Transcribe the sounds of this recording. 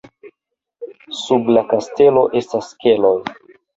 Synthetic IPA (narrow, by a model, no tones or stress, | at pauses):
sublakaste̞lo̞ʔe̞staske̞loj